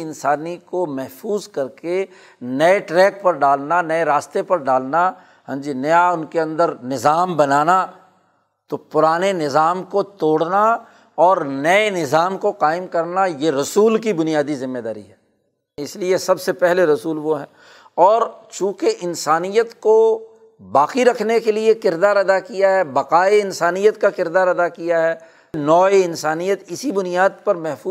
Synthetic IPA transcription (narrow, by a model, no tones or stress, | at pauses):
ɪ̃nsaːnikomɛɦfuːzkɐɾke | nɛeʈɾɛːk̚pɐɾɖaːlnanɐeɾaːst̪epɐɾɖaːlna | ɦɐ̃d͡ʒinɐjaʊnkeɐ̃nd̪əɾnɪzaːmbɐnaːna | t̪opʊɾaːnenɪzaːmkot̪oːɽna | ɔːɾnɐenɪzaːmkoqaːɪmkɐɾnajeɾɐsuːlkibʊnijaːd̪izɪ̃mːed̪a̰ːɾḭɦɛː | ɪsliesɐbsepɛɦleɾɐsuːlʋoɦɛː | ɔːɾt͡ʃũːkeʔɪnsaːnijət̪ko | baːqiɾɐkʰnekeliekɪɾd̪aːɾɐd̪akijaɦɛbɐqaːeɪnsaːnijət̪kakɪɾd̪aːɾɐd̪akijaɦɛː | nɔːeɪnsaːnijət̪ɪsibʊnijaːd̪̚pɐɾmɛɦfuː